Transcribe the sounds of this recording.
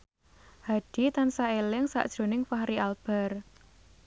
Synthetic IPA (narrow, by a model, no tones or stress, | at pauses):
haɖ̥i̤t̪ansaelɪŋsa̰ʔd̥ʒ̥ɾo̤nɪŋfahɾiʔalb̥a̤r